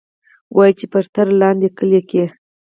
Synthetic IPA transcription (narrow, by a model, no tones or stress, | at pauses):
wʔɑjit͡ʃepəɾt̪aɾalɑnd̪ekəleke